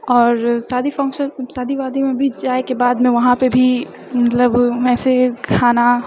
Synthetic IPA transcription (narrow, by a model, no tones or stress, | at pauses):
ɔːɾsaːd̪ʱifʰɐ̃ŋkʃənsaːd̪ʱiʋaːd̪imẽbʱiːd͡ʒd͡ʒaːekebaːd̪mẽʋɐɦãpebʱi | mɐt̪ləbɛːsekʰaːna